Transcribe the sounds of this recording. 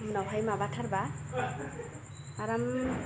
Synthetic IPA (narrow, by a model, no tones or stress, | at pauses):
nɔwʱajmabatʰʌɾba | aɾam